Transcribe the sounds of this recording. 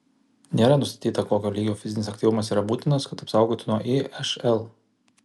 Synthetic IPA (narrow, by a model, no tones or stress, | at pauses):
nʲeːɾɐnʊst̪ɐ̥t̪ʲiːt̪ɐkoːkʲoːlʲiːɡʲoːfʲɪzʲɪnʲɪsɐkt̪ʲiːʋʊmɐs̬iːɾɐbuːt̪ʲɪnɐskɐt̪ɐpsɑˑʊɡoːt̪ʲɪnuɔʔiɛʃɛlˠ